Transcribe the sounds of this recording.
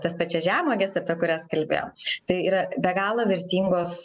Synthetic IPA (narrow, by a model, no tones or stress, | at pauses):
t̪ɐspɐt͡ʃʲɛʒʲæːmoːɡʲɛsɐpʲiɛkʊɾʲæːskɐlʲbʲḛːjo̰ːmt̪ɐɪiːɾɐbʲɛɡɑːlˠoːʋʲɪɾʲt̪ʲiːŋɡoːs